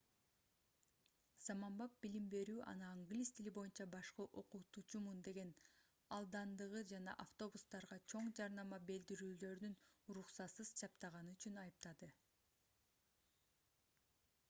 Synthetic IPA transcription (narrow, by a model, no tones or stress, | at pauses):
z̥ɑmɑmbɑp̚bilimbe̞ɾyːʔɑ̰nɯaŋɡlʲist̪ʰilibo̞junt͡ʃɑbɑʃqɯʔo̞qut̪ut͡ʃumund̪e̞ɡe̞n | ɑlˠd̪ɑnd̪ɯʁɯd͡ʒɑnɑ̰ʔaft̪o̞bust̪ɑɾʁɑt͡ʃʰo̞ɴd͡ʒɑɾnɑmɑbe̞ld̪iɾyːlø̞ɾd̪ynɾuχsɑt̪sɯz̥t͡ʃʰɑpt̪ɑʁɑnɯyt͡ʃynɑjɯp̚t̪ɑd̪ɯ